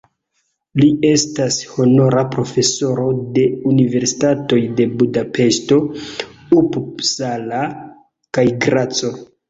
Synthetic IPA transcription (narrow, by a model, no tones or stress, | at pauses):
lie̞stasho̞no̞ɾapɾo̞fe̞so̞ɾo̞de̞unive̞ɾsi̥tato̞jde̞budape̞ʃto̞ | upsala | kajɡɾat͡so̞